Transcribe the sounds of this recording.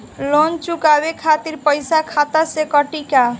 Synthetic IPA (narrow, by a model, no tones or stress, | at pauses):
lont͡ʃukabekʰat̪iɾpəjsakʰat̪asekʌʈika